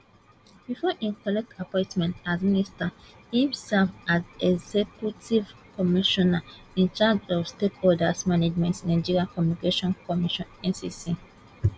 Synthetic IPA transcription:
bifɔʔĩnkɔlɛk̚tʰapɔ̃ɪ̃ntmɛ̃ntadminista | hĩmsɛlfazɛɡzekjutivkɔmiʃɔna | ĩnt͡ʃad͡ʒɔfstekɔldasmaned͡ʒmɛ̃ntsnãd͡ʒiɹiakɔmjunikeʃɔ̃nkɔmiʃɔ̃nɛ̃nsisi

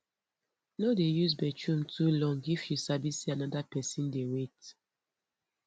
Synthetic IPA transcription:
nodejusbɛt͡ʃɹũmtʰulɔ̃ŋifjusabisianɔdapɛsĩndewekt

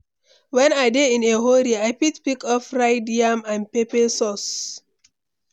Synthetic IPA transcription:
wɛ̃naɪdeĩneɦoɾiajpitpikɔfɹaɪdiãmãnpepesɔs

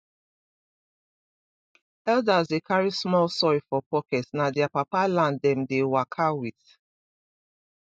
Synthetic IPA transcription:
ɛldazdekʰaɹismɔlsɔjfɔpɔkɛtsnadɛapapalãndɛ̃mdewakʰawiθ

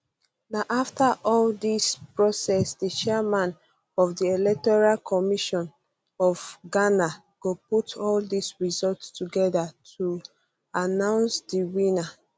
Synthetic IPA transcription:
naʔaftaʔɔldispɹɔsɛsdət͡ʃɛmãn | ɔvdielɛk̚tɔɹalkʰɔmiʃɔ̃n | ɔvɡana | ɡ̥oputʰɔldisɹizɔltstuɡɛdatʰu | anãʊ̃nsdiwĩna

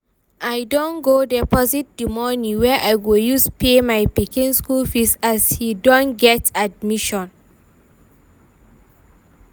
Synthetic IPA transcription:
ʔajdõnɡodɛpɔzit̚dimɔnĩwɛʔajɡojuspʰemajpikĩnskulfisashidɔ̃nɡɛtad̚miʃɔ̃n

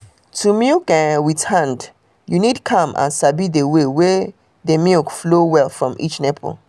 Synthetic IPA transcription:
tʰumilkɛwiθhãnd | junidkʰʌ̃mʔã̰nsabidewewɛ | ðemilkflowɛlfɹɔ̃mʔḭt͡ʃnɛpʰo̰l

